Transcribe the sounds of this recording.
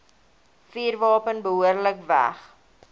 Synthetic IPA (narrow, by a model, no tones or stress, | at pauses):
fiːrvɑːpənbəɦuərləkvæ̰χ